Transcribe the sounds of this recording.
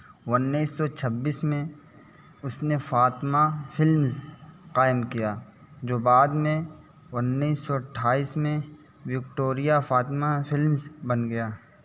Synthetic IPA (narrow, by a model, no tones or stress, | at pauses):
ʊnːiːsːɔt͡ʃʰɐbːiːsmẽ | ʊsnefaːt̪mafɪlmzqaːɪmkijaː | d͡ʒoːbaːd̪mẽ | ʊnːiːsːɔɐʈʰːaːiːsmẽ | ʋɪk̚ʈoːɾijafaːt̪mafɪlmzbɐnɡɐjaː